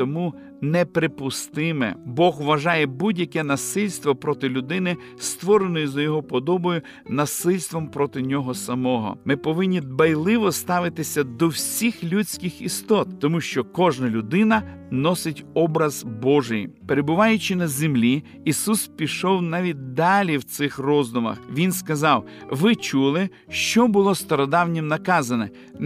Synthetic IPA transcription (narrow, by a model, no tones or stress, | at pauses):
t̪ɔmu | nɛpɾepʊst̪ɪmɛ̰bɔɣʋɐʒɑjɛbudʲjɐkɛnɐsɪlʲst̪ʋɔpɾɔt̪ɪlʲʊd̪ɪnɪ | st̪ʋɔɾenɔjɛzɐjɔɦɔpɔd̪ɔbɔjʊ | nɐsɪlʲst̪ʋɔmpɾɔt̪ɪnʲɔɦɔsɐmɔɦɔ̰mɪpɔʋɪnʲːid̪̚bɐjlˠɪʋɔst̪ɑʋɪt̪ɪsʲɐd̪ɔwsʲixlʲut͡sʲkʲɪxist̪ɔt̪t̪ɔmuʃt͡ʃɔkɔʒnɐlʲʊd̪ɪnɐ | nɔsɪtʲɔbɾɐzbɔʒɪjpeɾebʊʋɑjʊt͡ʃɪnɐzʲemlʲi | isuspʲiʃɔwnɑʋʲit̚ʲd̪ɑlʲiwt̪sɪxrɔzd̪ʊmɐ̰xʋʲinskɐzɑw | ʋɪt͡ʃulˠɪ | ʃt͡ʃɔbʊlˠɔst̪ɔɾɔd̪ɑwnʲimnɐkɑzɐnɛ